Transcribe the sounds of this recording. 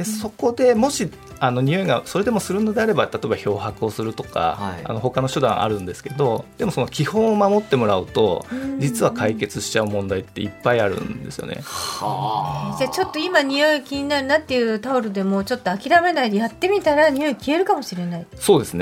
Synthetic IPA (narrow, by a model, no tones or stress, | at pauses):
eso̞ko̞d̪e̞mo̞ɕi | ano̞ɲ̟io̞iɡaso̞ɾe̞d̪e̞mo̞sɨɾɯ̟nːo̞d̪e̞aɾe̞bat̪at̪o̞ebaço̞ːɦakɯ̟o̞sɨɾɯ̟t̪o̞̥ka̰a̰no̞ɦo̞kano̞ɕod̪ã̰ʔa̰ɾɯ̟̃nd̪e̞sɨ̥ke̞d̪o̞d̪̥e̞mo̞so̞no̞kʲihõ̞ɰ̃omamo̞t̪ːe̞mo̞ɾaɯ̰t̪o̞̰d͡ʑit͡sɨβakaike̞t͡sɨɕi̥t͡ɕaɯ̟mõ̞nd̪ait̪ːe̞ipːaiaɾɯ̟̰̃nd̪e̞sɨjo̞̰ne̞̰ha̰zat͡ɕo̞t̪ːo̞imaɲ̟ijo̞ikʲiɲ̟inaɾɯ̟nat̪ːe̞jɯ̟ːt̪aoɾɯd̪e̞mo̞ːt͡ɕo̞t̪ːo̞akʲiɾame̞naid̪e̞jat̪ːe̞mʲit̪aɾaɲ̟ijo̞ikʲie̞ɾɯ̟kamo̞ɕiɾe̞naiso̞ːd̪e̞sɨne